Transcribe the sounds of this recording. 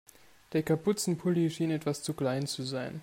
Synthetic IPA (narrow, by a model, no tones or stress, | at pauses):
d̥eːɐkʰapʊt͡sn̩pʰʊliʃiːnɛtv̥ast͡sukl̥aɪnt͡suzaɪn